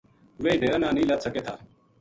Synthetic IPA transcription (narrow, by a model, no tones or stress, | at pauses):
ʋeːiɖeːɾənaːniːlaːt̪səkeːt̪ʰaː